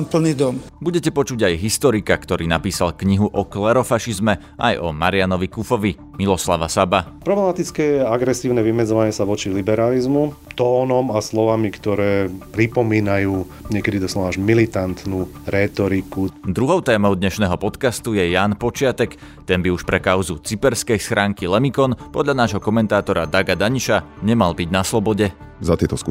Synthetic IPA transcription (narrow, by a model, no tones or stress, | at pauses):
mpl̩niːd̪ɔmbuɟɛcɛpɔt͡ʃuɟajɦist̪ɔɾikakt̪ɔɾiːnapiːsalkɲiɦuʔɔklɛɾɔfaʃizmɛ | ʔa̰jɔ̰maɾɪanɔʋikufɔʋi | milɔsla̰ʋasabapɾɔblɛmat̪it͡skɛaɡɾɛsiːʊnɛʋimɛd͡zɔʋaɲɛsaʋɔt͡ʃilibɛɾalizmut̪ɔːnɔmaslɔʋamikt̪ɔɾɛːpɾipɔmiːnajuː | ɲɪɛkɛd̪id̪ɔslaaʒmilit̪ant̪nuɾɛːt̪ɔɾikud̪ɾuɦɔʊt̪ɛːmɔʊd̪ɲɛʃnɛːɦɔpɔt̪kast̪ujɛjaːnpɔt͡ʃɪat̪ɛk | t̪ɛnbiuʃpɾɛkaʊzut͡sipɛɾskɛjsxɾʔaːŋkilɛmikɔnpɔd̪ʎanaːʒɦɔkɔmɛnt̪aːt̪ɔɾad̪aɡad̪aɲiʃaɲɛmalbiɟnaslɔbɔɟɛzat̪ɪɛt̪ɔsku